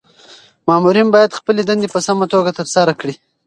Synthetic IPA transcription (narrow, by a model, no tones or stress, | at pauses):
mɑmuɾinbɑjad̪xpəled̪and̪epəsamat̪oɡat̪afsaɾakɽi